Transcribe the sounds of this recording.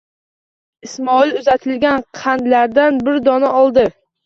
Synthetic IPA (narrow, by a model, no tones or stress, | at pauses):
ɪsmɒɪlʊzat̪ʰɪlɡʲanqʰand̪laɾd̪anbɪɾd̪ɒnaɒlˠd̪ɪ